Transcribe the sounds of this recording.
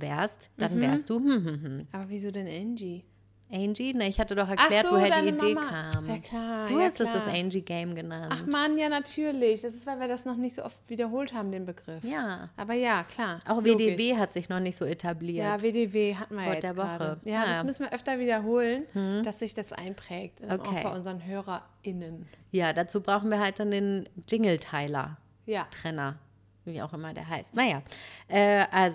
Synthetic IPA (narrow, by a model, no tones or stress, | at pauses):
vɛːɐstd̥anvɛːɐstd̥uːhm̩hm̩hm̩ʔaːbɐviːzoːdɛnʔɛnd͡ʒi | ʔɛɪnd͡ʒinəɪçhatədɔχɛɐʔalɛːɐzvːvoːheːɐdanːiimdeːmakːaːmjaːkʰl̥aːd̥uːhastdɛd̥asʔɛɪnd͡ʒiɡɛɪmɡənanaχtmanjaːnatʰyːɐlɪçd̥asɪstv̥aɪlviːɐdasnɔχnɪçtz̥o̰ːʔɔftv̥iːdɐɦoːlthaːbm̩deːnbəɡʁɪfjaːʔaːbɐjaːkʰl̥aːɐʔaʊxveːdeːveːɦatz̥ɪçnɔχnɪçtz̥oːetʰabliːɐaveːdeveːɦatn̩viɐaɐjɛdeːɐɡvɔaːdəəjaːasmʏsn̩viːɐʔœftɐviːdɐɦoːlənm̩h̩d̥asz̥ɪçd̥asʔa̰ɪnpʁ̥ɛːk̚toʔakʰʊeːbaɪʔʊnzəʁənɦøːʁɐ | ɪnənjaːdat͡suːbʁaʊxn̩viːɐɦalt̚d̥andeːnd͡ʒɪŋl̩tʰaɪlɐ̰ | jaːtʁ̥ɛnɐ | viːa̰ʊxʔɪmɐdḛːɐɦaɪstnajaːʔɛːʔalz